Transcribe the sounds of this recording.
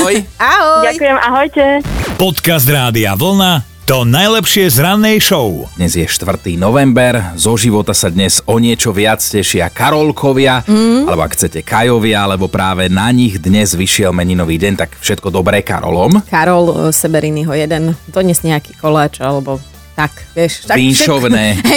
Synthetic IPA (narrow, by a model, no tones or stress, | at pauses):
ɔjaɦɔɟakujɛmaɦɔjcɛpɔt̪kazd̪ɾaːd̪iaʋl̩na | t̪ɔnajlɛpʃɪɛzɾanːɛjʃɔʊd̪̥ɲɛzjɛʃt̪ʋr̩t̪iːnɔʋɛmbɛɾzɔʒiʋɔt̪asad̪ɲɛzɔɲɪɛt͡ʃɔʋɪat͡scɛʃɪakaɾɔlkʰɔʋɪaalɛbɔakxt͡sɛcɛkʰajɔʋɪaalɛbɔpɾaːʋɛnaɲiɣd̪ɲɛzʋiʃɪɛlmɛɲinɔʋiːɟɛɲt̪akfʃɛt̪̚kɔd̪ɔbɾɛːka̰ɾɔ̰lɔmkaɾɔlsɛbɛɾiniɦɔjɛd̪ɛnd̪ɔd̪ɲɛzɲɛaki̥ːkɔlaːt͡ʃalɛbɔ | t̪akʋɪɛʃpinʃɔʋnɛː